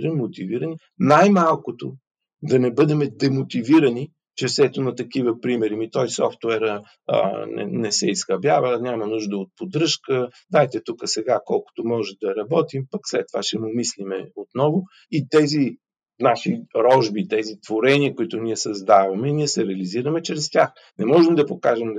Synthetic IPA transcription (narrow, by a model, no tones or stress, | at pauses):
ɛmot̪iviɾəni | najmalˠkot̪o | d̪ɐnɛbɤd̪ɛmɛd̪ɛmot̪iviɾɐni | t͡ʃɛfsɛt̪ʊnɐt̪ɐkivəpɾimɛɾimit̪ɔjsɔft̪wɛɾə̰ | nɛ̰nɛsɛisxɐbjavənʲamɐnuʒd̪əot̪̚pod̪ɾɤʃkə | d̪ajt̪ɛt̪ukəsɛɡakɔlˠkʊ̥t̪omɔʒɛd̪ɐɾɐbɔt̪impɐkslɛt̪ːovaʃɛmʊmislimɛot̪nɔvʊ | it̪ɛzi | naʃiɾɔʒbit̪ɛzit̪voɾɛniəkʊit̪ʊniɛsɐzd̪avɐmɛiniɛsɛɾɛɐliziɾəmɛt͡ʃɾɛst̪ʲax | nɛmɔʒɛmd̪ɐpokaʒɛm